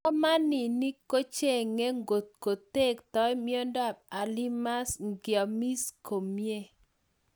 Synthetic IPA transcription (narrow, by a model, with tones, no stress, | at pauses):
ɔ˦ma˦ni˨ni˦ko˦t͡ʃe˦˨ŋe˦ŋɡo˨t̪̚ko˨t̪e˦˨kt̪ɔ˦jmjo˦ndɔ˦˨b̚a˨li˦ma˦sɡjɔ˨mi˦sko˨mje˦